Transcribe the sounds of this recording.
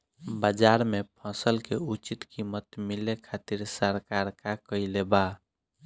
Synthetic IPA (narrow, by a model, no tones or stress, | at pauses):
bəd͡ʒaɾmepʰə̃səlkeut͡ʃit̪kimət̪milekʰat̪iɾsəɾkaɾkakəileba